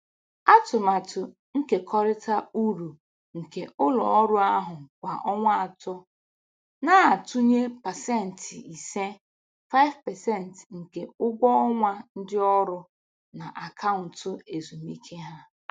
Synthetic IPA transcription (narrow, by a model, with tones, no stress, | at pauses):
a˦tʊ˨ma˨tʊ˨ | ŋ̩˦ke˨kʰɔ˦ɾɪ˦tʰa˦u˦ɾu˨ | ŋ̩˨ke˨ʔʊ˦lɔ̰˨ɔ˦ɾʊ˦a˦ɦʊ˨kʷa˨ʔɔ˦ŋʷa˦a˨tʊ˦ | na˦a˨tʊ˦ɲe˦pa˨sɛ˦˨n̩˨ti˨se˦ | fa˦ɪ˦vpɛ˨sɛ˦˨n̩˨tŋ̩˨ke˨ʊ˦ɡ͡bʷɔ˦ɔ˦ŋʷa˦n̩˦dɪ˦ɔ˦ɾʊ˦ | na˨ʔa˨kʰa˦ʊ˨n̩˨tʊ˦e˨zu˨mi˦kʰe˦ɦa˦